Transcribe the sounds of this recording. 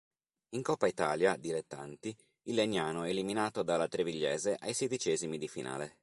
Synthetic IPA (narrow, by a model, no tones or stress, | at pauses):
iŋkɔpːait̪aːljad̪ilet̪ːa̰nt̪i | ilːeɲːaːnoɛːliminaːt̪od̪alat̪ɾeviʎːɛːzeʔajsed̪it͡ʃɛːzimid̪ifḭnʔa̰ːle